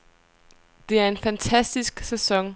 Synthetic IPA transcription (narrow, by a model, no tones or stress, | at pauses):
d̥e̝æɐe̝nfænt͡sʰæsd̥isɡ̥sesɒ̽ŋ